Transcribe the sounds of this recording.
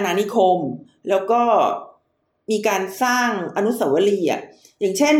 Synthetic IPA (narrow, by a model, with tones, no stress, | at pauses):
naː˧ni˦˥kʰo˧m | lɛː˦˥wkɔː˥˩ | miː˧kaː˧nsaː˥˩ŋʔa˧nu˦˥sa˨˩˦wa˦˥liː˧a̰˨˩k̚ | jaː˨˩ŋt͡ɕʰe˥˩n